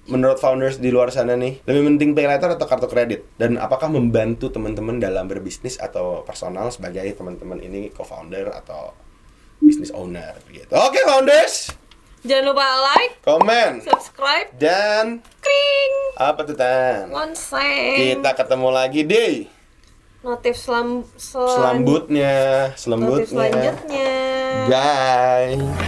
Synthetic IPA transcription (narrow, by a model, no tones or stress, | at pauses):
mənɾɔt̪̚fawndərsdiluarsananɪhləmipənt̪ɪŋpelajt̪ərat̪awkart̪okɾedɪt̪̚dana̰pakahməmbant̪ut̪əmənt̪əməndalambərbisnɪsa̰t̪awpərsonalsəbaɡajt̪əmənt̪əmənʔḭnikofa̰undəra̰t̪a̰w | bisnɪso̰nə̰rɡḭt̪uokefawndərsd͡ʒanupaalajkomɛnsubskɾajp̚dan | kɾiŋʔapat̪ut̪anɔnsakit̪akət̪əmulaɡidej | not̪ɪfslamssəlambʊt̪̚ɲasələmbʊt̪̚ɲaʊt̪̚ɲaɡaj